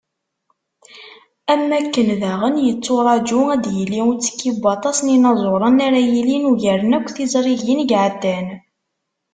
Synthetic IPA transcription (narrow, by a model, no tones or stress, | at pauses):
æmːækːənðaʁənjət͡sːoɾˤɑd͡ʒuæd̪jəlːiut͡sːə̥kːibɑt̪ˤɑsninɑzˤoɾˤənæɾæjilinuʝəɾənækʷːθizˤɾˤiʝinɡʕəd̪ːæn